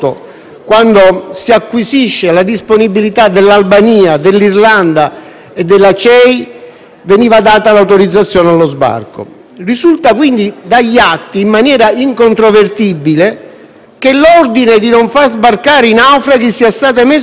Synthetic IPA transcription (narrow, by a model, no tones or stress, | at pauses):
o̰ | kwand̪osiakːwisiʃːelad̪isponibːilit̪ad̪elːalbaniːad̪elːirland̪a | ed̪ːelːat͡ʃɛj | veniːvad̪aːt̪alawt̪oɾid̪zːat̪sːjɔːnealːozba̰rko̰ | risult̪akwind̪id̪aʎːat̪ːiːmːanjɛːɾaiŋkont̪ɾovert̪ibːile | kelɔrd̪ined̪inoɱfarzbarkaːɾinawfɾak̟isːiast̪aːt̪ame